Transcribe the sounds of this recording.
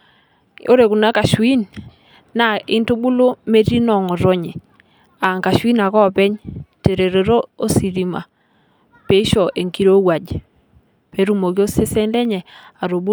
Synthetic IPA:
o̰˦ɾe˨ku˨na˦ka˨ʃwi˦n | na˨ɪ̰˦ntu˦bu˦lo˦me˦ɾi˦nɔ˨ŋɔ˨ɾo˦ɲe˨ | a˨ŋka˨ʃwi˦na˨kɔ˦˨pɛ˦ɲte˨ɾe˨ɾe˨ɾo˦o˦si˨ɾi˨ma̰˨ | pe˦ʃɔ˨ʔe˨ŋki˦ɾo˦wa˨d͡ʒ | pe˨˦ɾu˦mo˨ki˦o˦se˦se˦nlɛ˦ɲɛ˨a˨ɾo˨bu˦

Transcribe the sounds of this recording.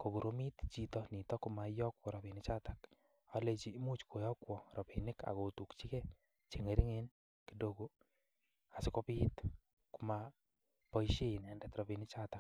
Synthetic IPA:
ko˨ɡu˨ɾo˦mi˦t̪t͡ʃi˦tɔni˨tɔ˦kʊ˦ma˨˦jɔ˦kwɔ˨ɾɔ˨pi˨nɪt͡ʃa˦ta˨k | a˦le˧t͡ʃiː˨˦mu˦t͡ʃkʰo˨jɔ˦kwɔ˨ɾɔ˨pi˨nɪ˦ka̰˨ko˨tu˨kt͡ʃi˦kɛ˦ | t͡ʃe˨ŋe˨ɾi˦ŋen | kido˦ɡu˦ | a˨sɪ˦ko˦pit | kʊ˦ma | pɔ˨i˦ʃe˦i˨nɛ˨ndɛt̪ɾɔ˨pi˨nɪ˦t͡ʃata˨k̚

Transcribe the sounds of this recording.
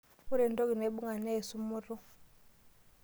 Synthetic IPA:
u˦ɾɛ˨ndɔ˦ɡi˨nɛ˨˦ɓu˦ŋa˨nɛ˦˨su˦mu˦ɾu˦

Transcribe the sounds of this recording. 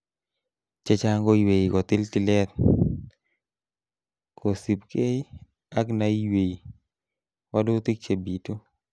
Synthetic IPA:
t͡ʃe˦t͡ʃa˦ŋɡo˦jwe˨i˨kɔ˨t̪ɪ˦ltɪ˨lɛ˦t̪̚ | kʰo˨si˨p̚ke˦ | a˦kna˨i˦we˨i˨ | wa˦do˦t̪i˦k̚t͡ʃe˨bi˨to˦

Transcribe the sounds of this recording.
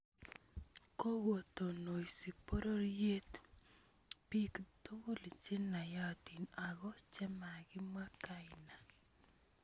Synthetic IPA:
ko˦wo˨t̪o˨no˨ji˨si˨po˦ɾo˦ɾje˦t̪ | pi˦ktu˦wu˦li˨t͡ʃɪ˦na˨ja˦˨ti˨na˨ɡɔ˦t͡ʃɛ˦ma˨ɡɪ˦mwa˦ka˦ɪna˨

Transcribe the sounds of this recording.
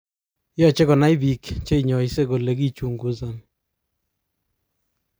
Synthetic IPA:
jɔ˦˨t͡ʃe˦kɔ˨na˦jbi˨kt͡ʃe˦i˨ɲɔ˨i˦se˦ko˨le˨˦ki˦t͡ʃu˨ŋɡu˦za˨n

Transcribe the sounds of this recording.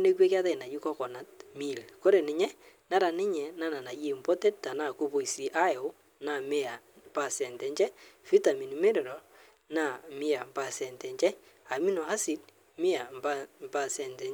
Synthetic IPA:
ne˦kwe˦ka˦ta˦˨na˨ji˦kɔ˦kɔ˨na˨t̚mi˦˨lko˦ɾe˨nɪ˨ɲɛ˦na˦ɾa˨nɪ˦ɲɛ˨na˦˨na˨na˨je˦˨mbɔ˦tɛ˦t̚ta˨na˦˨ko˦bo˨i˨si˨ʔa˦˨o˦ | na˨mɪ˦a˨mpa˨sɛ˨ntɛ˨ɲt͡ʃɛ˦fi˦ta˨mi˨ni˨me˦ɾɛ˨ɾɔ˨ | na˨mɪ˦a˨mpa˦˨sɛ˨ntɛ˨ɲt͡ʃɛ˦ | a˨mi˦nɔ˨ha˦si˨d̚ | mɪ˦a˨mba˦mpa˦sɛ˨ntɛ˨

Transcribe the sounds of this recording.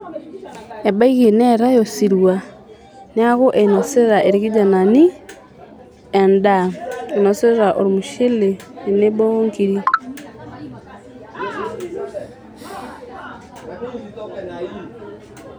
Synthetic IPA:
e˨ba˦iɣe˨neɾa˦josiɾwa | nea˦ɣo˦ʔeno˨seɾeɾa˨ʔe˨ɾiɣi˦d͡ʒana˨ni˦ | endaono˨se˦ɾe˦ɾa˨ʔo˨ɾimuʃe˦leː˨ne˦bo˦ŋkiɾi˦

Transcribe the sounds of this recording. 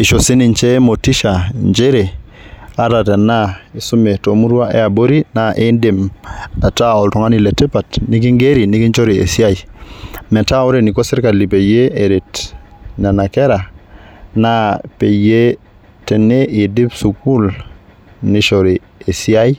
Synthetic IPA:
i˨ʃo˨si˦ni˨nt͡ʃe˦mo˨ti˦ʃa˨nd͡ʒe˦ɾe˨a˦ta˨te˨na˦i˨su˦me˨to˨mu˦ɾwa˦ʔḛ˦a˨bo˦ɾi˦na˦ʔi˦ndi˨ma˨ta˦o˨ltu˨ŋa˦ni˨le˨te˦pa˨tni˦ki˦ŋɡe˦ɾi˨ni˦ki˦nt͡ʃo˦ɾi˨ḛ˨si˦a˦i˨me˨ta˦u˦ɾe˦˨ni˨ko˦si˦ɾka˨li˨pe˨je˦e˨ɾi˨tna˨na˨ke˦ɾa˨ | na˦pe˨je˦ | te˨nːe˦ʔi˨di˦psu˨ku˦l | ni˦ʃo˨ɾi˨ | e˨si˦a˦ji˦

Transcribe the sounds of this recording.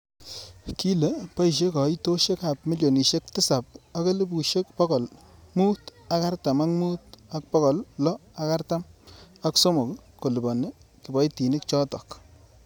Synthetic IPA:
ki˦le˨pa˦i˨ʃ̬e˦kɔ˨i˦to˦ʃe˦ka˨pmi˦ljo˨ni˨ʃe˦k̚tɪ˦sa˨p̚a˦ke˦lɪ˦bu˨ʃe˦kpɔ˦kɔ˨lmu˦ta˦ka˦rta˨ma˦kmu˦ta˦k̚pɔ˦kɔ˨llɔ˦a˦ka˦rta˦ma˦kso˦mo˨kko˨li˨bɔ˨ne˦kɪ˨bɔ˨˦jti˨nɪ˦k̚t͡ʃɔ˦tɔ˨k

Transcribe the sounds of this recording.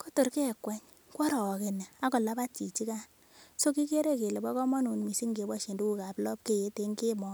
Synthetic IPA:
ko˦to˨ɾke˦˨kwɛ˦ɲ | kɔ˦ɾɔ˨ke˨nɛ˨a˦ko˨la˦pa˦tt͡ʃi˨t͡ʃi˦ka˦n | so˦ki˦ke˦ɾe˦ke˨le˨bɔ˦kɔ˦mɔ˦nu˨nmi˨si˦ŋɡe˨bɔ˦ʃe˨ndu˦ku˦ka˨blɔ˦p̚ke˦˨je˨˦te˦ŋɡe˦mɔ˦

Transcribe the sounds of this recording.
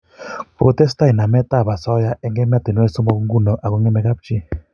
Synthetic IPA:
po˨tɛ˦sta˦i˨na˨mɛ˦ta˦˨ba˨sɔ˦ja˦ʔɛ˦ŋɡɛ˦m˦a˦te˨nwɛ˦so˦mɔ˦˨kŋɡu˦nɔ˨ʔa˨ku˨˦ŋɛ˦mɛ˦ka˦p̚t͡ʃi˦

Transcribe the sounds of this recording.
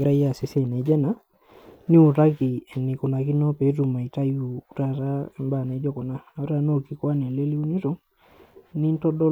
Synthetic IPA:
ɡɪ˨ɾa˦ja˦˨si˨sɛ˦˨na˨˦d͡ʒɛ˦na˨˦ | ni˦u˨ɾa˦ki˨ɛ˨ni˨ku˨na˨ki˦nɔ˦pe˨˦tu˨ma˨i˨ta˦ju˨˦ɾa˦ɾa˦ɛ˨mba˦˨ne˨˦d͡ʒɔ˦kɔ˨na˦a˨˦ɾa˨no˦˨ki˨kwa˦nɛ˨le˦li˦u˦ni˦ɾɔ˦ | ni˦n˦tɔ˦dɔ˦

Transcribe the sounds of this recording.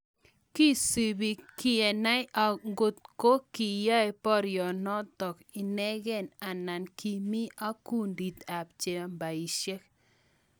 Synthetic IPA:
ki˦si˨bi˨kɪ˦ɛ˨na˦a˨ɡo˨t̪̚ko˦ki˨ja˦e˨˦pɔ˦ɾjɔ˨nɔ˦t̪ɔ˨k | ɪ˨nɛ˦ɡɛ˦˨na˨na˨nki˨mi˦a˦ku˦ndi˨t̪a˨p̚t͡ʃe˨mba˨i˨ʃje˦k̚

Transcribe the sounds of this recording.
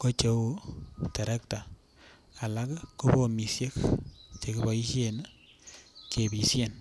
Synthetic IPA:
ko˦t͡ʃe˨wo˦te˨ɾe˦kta˨ | a˨la˦kku˦bo˦mi˨sje˦kt͡ʃe˨ki˦bɔ˨i˦ʃe˦˨n˦ | kʰe˨bi˨sje˦˨n

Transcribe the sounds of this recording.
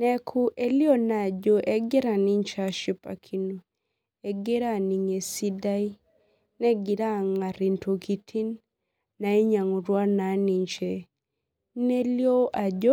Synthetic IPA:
nɛ˦kʰu˦ʔe˦ljo˦na˨d͡ʒo˦ʔɛ˦ɡɪ˦ɾa˨ni˦ɲt͡ʃa˨ʃi˦pa̰˨kʰi˦no˨ | ɛ˨ɡe˦ɾa˦˨ni˨ŋe˨si˦da˦i˦ | nɛ˦ɡɪ˨ɾa˦˨ŋa˨ɾi˨ntʰo˨ki˨tʰi˦nː | a˨e˦ɲa˨ŋu˨ɾwa˦na˨˦ni˨ɲt͡ʃɛ˨ | ne˦ljo˦ʔa˨d͡ʒo˦

